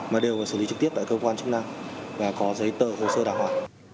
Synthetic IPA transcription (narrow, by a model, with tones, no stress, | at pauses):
maː˨˩ɗe˨˩wvaː˨˩sɨ˧˩li˨˦ɨ˦˥t̪i˦˥p̚t̪aː˧˨˩kəː˧kwaː˧nt͡ɕ̚na˧mvaː˨˩kɔ˨˦zə˨˦jt̪əː˧˨˩ho˨˩səː˧ɗaː˧˩ŋhwaː˨˩